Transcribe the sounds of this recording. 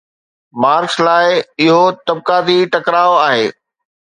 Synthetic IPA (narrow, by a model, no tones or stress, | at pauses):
maːɾkslaːɪɪɦot̪ɐb̚kaːd̪iʈɐkɾaːoaːɦeː